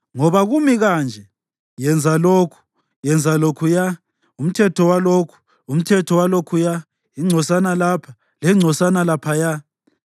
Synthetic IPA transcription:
ŋɔβaɣumiɣand͡ʒʱɛ | jɛnd͡zʱaloːkʰu̥ | jɛnd͡zʱalokʰuja | um̩tʰɛtʰɔwalokʰu̥ | um̩tʰɛtʰɔwalokʰuja | iŋ͡ǀʱɔsanalapʰa | lɛŋ͡ǀʱɔsanalapʰaja

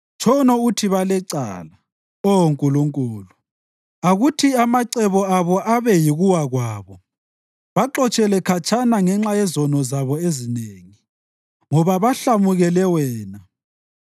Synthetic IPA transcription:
t͡ʃʰʼɔnɔutʰiβalɛǀa̰ːla | oŋkʼuluŋkʼuːlu | aɣutʰiamaǀɛβɔaβɔʔaβɛjiɣuwaɣwaːβɔ | βaǁɔt͡ʃʼɛlɛkʰat͡ʃʰʼanaŋɛŋ͡ǁajɛzɔnɔzaβɔezineŋi | ŋɔβaβaɬamuɣɛlɛwɛːna

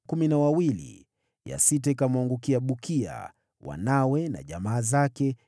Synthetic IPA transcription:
kuminawawilḭ | ja̰sitɛkamwaŋɡukiaɓukia̰ | wa̰nawɛna̰ʄamaːzakɛ

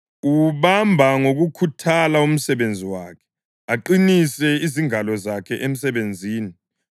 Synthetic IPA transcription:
uβambʱaŋoɣukʰutʰalaum̩sɛβend͡zʱiwaːkʰɛ̥ | aǃinisɛiziŋalɔzakʰɛʔem̩sɛβend͡zʱiːni

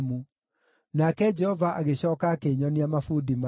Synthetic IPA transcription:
mu | nakɛd͡ʒɛhɔvaʔaɣeɕɔːkaːkeɲɔniamafudima

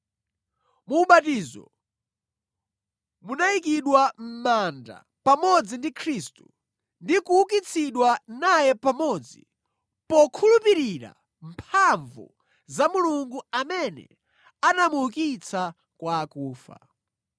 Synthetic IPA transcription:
muːɓatiːzɔ̰ | munaik̬iɗwam̩manda̰ | pamɔd͡zindikʰɾistu | ndikuukit͡sʰiɗwanajɛpamɔd͡zi | pɔkʰulupiɾiɾa̰ | m̩pʰaɱvṵ | zamuluŋɡuamɛnɛ̰ | anamuukit͡sʰa | kwaːkuːfa̰

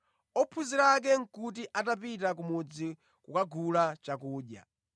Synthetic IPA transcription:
ɔpʰuziɾak̬ɛŋ̩kut̬iʔatapitakumud͡zi | kukaɡulat͡ʃakuːɗja̰

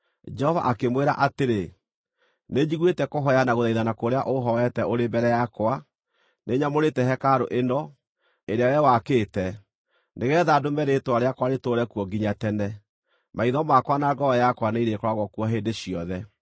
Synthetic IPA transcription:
d͡ʒɛhɔva̰ʔakemweɾa̰ʔateɾe | neɲd͡ʑiɣwetɛkoɦɔjanaɣoðaiðanakoɾeaʔoɦɔɛtɛʔoɾembɛɾɛjakwa | neɲamoɾetɛɦɛkaɾoʔenɔ | eɾeajɛwakeːtɛ | neɣɛðadomɛɾetwaɾeakwaɾetoɾɛkuɔɡiɲatɛnɛ | maiðɔmakwanaːɡɔɔjakwaneiɾekɔɾaɣwɔkuɔɦeːndeɕiɔðɛ

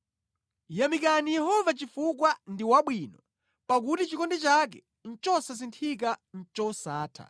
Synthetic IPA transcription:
jamik̬anijɛɦɔvat͡ʃifuk̬wandiwaɓwinɔ | pak̬utit͡ʃikɔndɛt͡ʃak̬ɛ | n̩t͡ʃɔsas̬intʰik̬an̩t͡ʃɔsaːtʰa̰

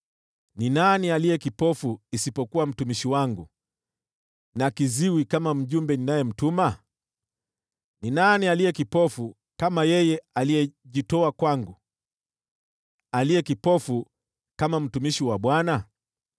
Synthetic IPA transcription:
ninanialijɛkipɔfuisipɔkuwam̩tumiʃiwaŋɡu | nakiziwikamam̩ʄumbɛninajɛm̩tuma | ninanialijɛkipɔfu | kamajɛjɛalijɛʄitɔakwaŋɡu | alijɛkipɔfu | kamam̩tumiʃiwaɓwana

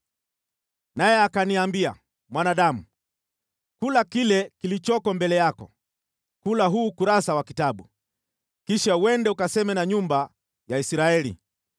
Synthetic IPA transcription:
najɛakaniambia̰ | mwanaɗamu | kulakilɛkilit͡ʃɔkɔmbɛlɛjakɔ̰ | kulaɦuːkuɾasawakitaɓu | kiʃawɛndɛukasɛmɛnaɲumba | jaisɾaɛlḭ

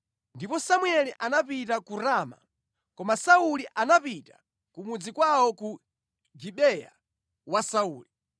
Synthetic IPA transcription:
ndipɔsamwɛliʔanapitakuɾaːma̰ | kɔmasauliʔanapita̰ | kumud͡zikwawɔku | d͡ʒiɓɛja̰ | wasauːli

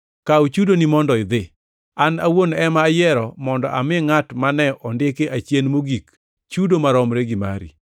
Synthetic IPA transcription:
kaut͡ʃudonimɔndɔɪd̪ɪ | anawonɛmajɛɾɔmɔndɔ̰ʔamɪŋatmanɛʔɔndɪkeʔat͡ʃjenmoɡik | t͡ʃudomaɾɔmɾeɡima̰ɾḭ

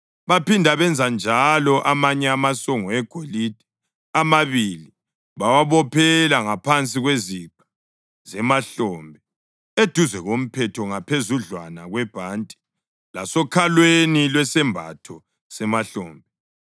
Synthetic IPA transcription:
βapindʱaβɛnd͡zʱand͡ʒʱalɔʔamaɲɛamasɔŋɔɛɡ̥ʱolid̥ʱɛ̥ | amaβili | βawaβɔpʰɛlaŋapʰant͡sʼiɣweziǃḁ | zɛmaɬɔmbʱɛ | ed̥ʱuzɛɣom̩pʰɛtʰɔŋapʰezuɮwanaɣwɛb̥ʱaːntʼi̥ | la̰sɔkʰalwenilwɛsɛmbʱa̰tʰɔ | sɛmaɬɔːmbʱɛ

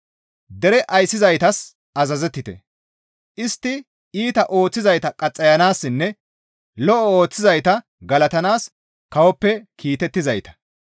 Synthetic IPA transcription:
d̪ɛɾɛʔɐjsːɪzɐjt̪ɐs | ɐzɐzɛt̪ːɪt̪ɛ̰ | ʔɪst̪ːɪ | iːt̪ɐʔo̞ːt͡sːɪzɐjt̪ɐkʼɐt͡sʼːɐjɐnaːsːɪnːɛ | lɔʔɔo̞ːt͡sːɪzɐjt̪ɐ | ɡɐlɐt̪ɐnaːs | kɐwɔpːɛkʰiːt̪ɛt̪ːɪzɐjt̪ɐ̥

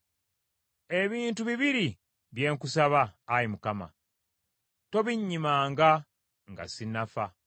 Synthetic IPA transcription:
e̞βiːntuβiβiɾi | βje̞ːŋkusaβaːɾimukama̰ | to̞βiɲːimaːŋɡa | ŋɡa̰sinafa

